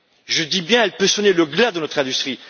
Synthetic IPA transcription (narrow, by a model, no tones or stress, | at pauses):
ʒəd̪ibjɛ̃ɛlpøsuneləɡlad̪ənɔt̪χɛ̃d̪yst̪χi